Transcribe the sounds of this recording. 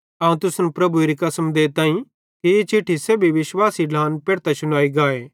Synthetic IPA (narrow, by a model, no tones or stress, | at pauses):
ɐũt̪ʊsnupɾɐbueɾikɐsəmd̪eːt̪ãːĩ | kijet͡ʃʰɪʈʰːiseːbʱiʋɪʃwaːsiɖaːnpeːɽt̪aʃʊnaːiɡaːeː